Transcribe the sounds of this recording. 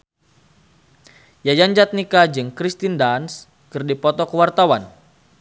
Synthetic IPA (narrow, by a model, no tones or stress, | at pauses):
jajaɲd͡ʒat̪̚nikad͡ʒɨŋkɾist̪indans | kɨrdipɔt̪ɔkəwart̪awan